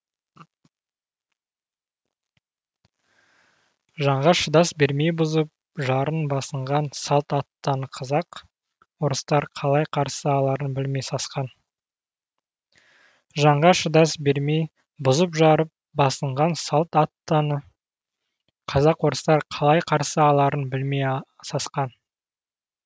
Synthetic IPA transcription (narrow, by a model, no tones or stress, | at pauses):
ʒɑɴʁɑʃəd̪ɑsbe̞ɾme̞jbʊzəp̚ | ʒɑɾənbɑsəɴʁɑnsɑlˠt̪ɑt̪ːɑnəqʰɑzɑq | woɾəst̪ɑɾqʰɑlˠɑjqʰɑɾsəɑlˠɑɾənbɪlme̞jsɑsqɑn | ʒɑɴʁɑʃəd̪ɑsbe̞ɾmej | bʊzəpʒɑɾəp̚bɑsəɴʁɑnsɑlˠt̪ɑt̪ːnə | qʰɑzɑqwoɾəst̪ɑɾqʰɑlˠɑjqʰɑɾsəɑlˠɑɾənbɪlmej | sɑsqɑn